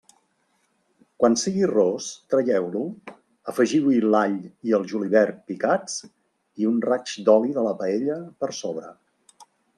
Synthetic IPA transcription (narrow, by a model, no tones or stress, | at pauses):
kwansiɣirost̪ɾəjɛwlu | əfəʒiwilaʎiəlˠʒuliβɛɾpikat͡s | iunrat͡ʃd̪ɔliðələpəeʎəpəɾsoβ̞ɾə̰